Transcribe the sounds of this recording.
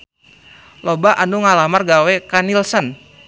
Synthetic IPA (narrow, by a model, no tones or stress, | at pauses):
lɔbaʔanuŋalamarɡawɛkanilsən